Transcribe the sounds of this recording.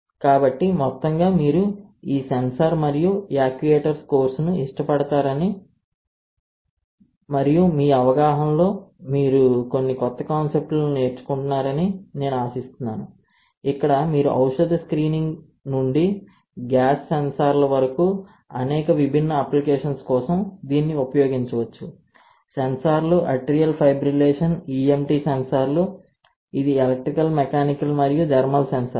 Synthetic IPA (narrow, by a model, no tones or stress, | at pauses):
kaːbɐʈːimɔt̪ːɐŋɡaːmiːɾuiːsensɐɾmɐɾijujaːkʋieːʈɐɾsko̞ːɾsnuiʂʈɐpɐɽɐt̪aːɾɐni | mɐɾijumiːɐʋɐɡaːɦɐmlo̞ːmiːɾuko̞nːikɔt̪ːɐkaːnse̞p̚ʈlne̞ːɾt͡ʃu̥kuɳʈunːaːɾɐnine̞ːnuaːsist̪unːaːnu | ikːɐɽɐmiːɾuʔɐ̰wʂɐd̪ɐskɾiːniŋɡ | nuɳɖi | ɡaːsːensaːɾlɐʋɐɾɐku | ɐnɛːkɐʋibʱinːɐɐplikeːʂɐnskɔːsɐmd̪iːnːiupɐjo̞ːɡiɲt͡ʃɐʋɐt͡ʃːu | sensaːɾluʔɐʈːɾijɐlpʰɐjbɾileːʂɐniːemʈiːsensaɾlu | id̪ielɐk̚ʈɾikɐlmekaːniklumɐɾijud͡ʒɐɾmɐlsensɐ